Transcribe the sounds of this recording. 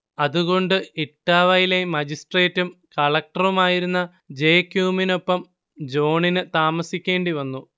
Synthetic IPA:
ɐðuɣo̞ɳɖɨeʈːaːʋɐjile̞mɐd͡ʑisʈre̞ːtːumkɐɭɐk̚ʈɐrumaːjiɾunːɐ | d͡ʑe̞ːkjuːmino̞pːɐm | d͡ʑo̞ːɳinɨt̪aːmɐsikʲːe̞ːɳɖiʋɐnːu

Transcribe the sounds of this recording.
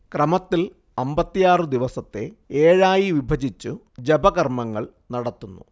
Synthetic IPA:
krɐmɐt̪ːil | ɐmbɐt̪ːijaːrɨd̪iʋɐsɐt̪ːe̞eːɻaːjiʋibʱɐd͡ʑit͡ɕːu | d͡ʑebɐɣɐrmɐŋːɐɭ | nɐɽɐt̪ːunːṵ

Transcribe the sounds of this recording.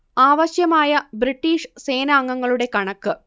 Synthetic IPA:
aːʋɐɕjɐmaːjɐbɾiʈːiːʂse̞ːnaːŋːɐŋːɐɭuɽe̞kɐɳɐkːɨ

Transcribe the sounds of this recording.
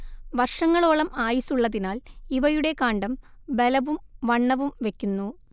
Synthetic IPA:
ʋɐrʂɐŋːɐɭo̞ːɭɐmaːjisuɭːɐðinaːliʋɐjuɽe̞kaːɳɖɐmbe̞lɐʋumʋɐɳːɐʋumʋe̞kʲːunːu

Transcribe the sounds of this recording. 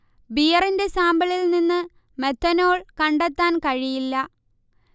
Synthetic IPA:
bijɐrinde̞saːmbɐɭilninːɨ | me̞t̪ʰːɐno̞ːɭkɐɳɖet̪ːaːnkɐɻijilːɐ

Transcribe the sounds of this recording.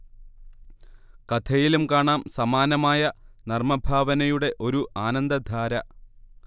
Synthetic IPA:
kɐt̪ʰɐjilumkaːɳaːmsɐmaːnɐmaːjɐnɐrmɐbʱaːʋɐnɐjuɽe̞ʔo̞ɾuʔaːnɐnd̪ɐd̪ʱaːɾɐ

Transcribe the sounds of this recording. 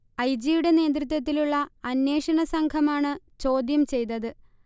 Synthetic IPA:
ɐjd͡ʑijuɽe̞ne̞ːd̪̬ɾit̪̬wɐt̪̬ːiluɭːɐːnːe̞ːʂɐɳɐsɐŋkʰɐmaːɳɨ | t͡ɕo̞ːd̪jɐmt͡ɕe̞jt̪ːɐðɨ

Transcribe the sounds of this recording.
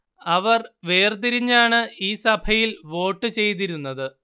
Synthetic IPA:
ɐʋɐrʋe̞ːrt̪̬iɾiɲːaːɳɨiːsɐbʱɐjilʋo̞ːʈːɨt͡ɕe̞jt̪̬iɾunːɐðɨ

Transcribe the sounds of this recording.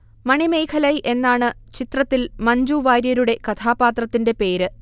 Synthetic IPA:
mɐɳime̞jkʰɐlɐjʔe̞nːaːɳɨt͡ɕit̪rɐt̪ːilmɐɲd͡ʑuːʋaːɾjɐɾuɽe̞kɐt̪ʰaːpaːt̪rɐt̪ːinde̞pe̞ːɾɨ

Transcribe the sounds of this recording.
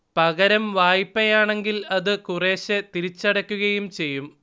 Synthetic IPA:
pɐɣɐɾɐmʋaːjipːɐjaːɳe̞ŋɡilɐðɨkure̞ːɕet̪iɾit͡ɕːɐɽɐkʲːuɣɐjumt͡ɕe̞jːum

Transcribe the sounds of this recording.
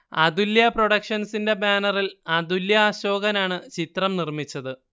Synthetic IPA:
ɐ̰d̪uljɐpro̞ɽɐkʂɐnsinde̞baːnɐrilɐd̪uljɐaɕo̞ːɡɐnaːɳɨt͡ɕit̪rɐmnirmit͡ɕːɐðɨ

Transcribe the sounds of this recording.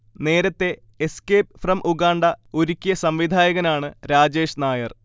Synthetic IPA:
ne̞ːɾɐt̪ːe̞ | eskeːp̚frɐmʔuɣaːɳɖɐoɾukʲːijɐsɐmʋid̪ʱaːjɐɣɐnaːɳɨɾaːd͡ʑe̞ːʂnaːjɐr

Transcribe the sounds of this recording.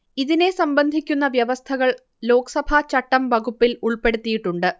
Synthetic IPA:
iðine̞sɐmbɐnd̪ʱikʲːunːɐʋjɐʋɐst̪ʰɐɣɐɭ | lo̞ːksɐbʱɐt͡ɕɐʈːɐmʋɐɣupːiluɭpe̞ɽut̪ːijiʈːuɳɖɨ

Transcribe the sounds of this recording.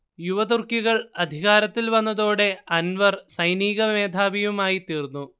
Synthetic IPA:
juʋɐd̪urkiɣɐɭɐd̪ʱiɣaːɾɐt̪ːilʋɐnːɐðo̞ːɽe̞ɐnʋɐrsɐjniːɣɐme̞ːd̪ʱaːbijumaːjit̪iːrnːu

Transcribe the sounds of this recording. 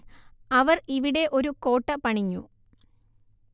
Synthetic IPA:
ɐʋɐriʋiɽe̞ʔo̞ɾuko̞ːʈːɐpɐɳiɲːṵ

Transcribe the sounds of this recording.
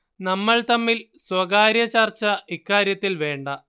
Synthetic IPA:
nɐmːɐɭt̪ɐmːilswɐɡaːɾjɐt͡ɕart͡ɕːɐʔikːaːɾjɐt̪ːilʋe̞ːɳɖɐ

